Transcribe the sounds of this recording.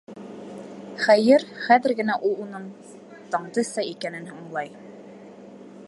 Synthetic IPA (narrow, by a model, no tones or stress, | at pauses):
χæjɘɾχæðɘ̆ɾɡɘ̆næʔulˠunɤm | t̪ɑɴd̪ɤsɑikænɘnhuɴlˠɑj